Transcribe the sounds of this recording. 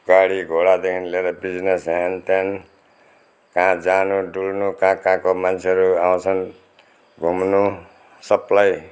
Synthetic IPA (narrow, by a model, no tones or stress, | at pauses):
ɡ̥aɽiɡʱoɽad̪ekʰinleɾʌbid͡znesɦent̪an | kãd͡zanuɖulnukãkãkomant͡sʰeʌɾuaw̃t͡sʰʌn | ɡʱumnu | sʌplaj